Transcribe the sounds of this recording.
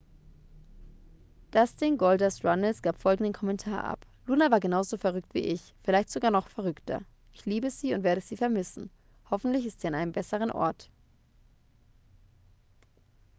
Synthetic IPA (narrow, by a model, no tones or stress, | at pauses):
d̥asd̥ɪŋɡɔldasʁanəlsɡ̥aːpfɔlɡŋ̩dən̩kʰɔmɛntʰaːɐʔa̰p | luːnavaːɐɡənaʊzofɛɐʁʏktv̥ḭːʔɪç | fɪlaɪçtz̥oɡaːɐnɔχfɛɐʁ̞ʏktʰɐ̰ | ʔɪçliːbəziːʊntveːɐɾəz̥iːfɛɐmɪsn̩ | hɔfn̩tlɪçɪstz̥iːanʔaɪəmbɛsəʁ̞ənʔɔ̰ɐt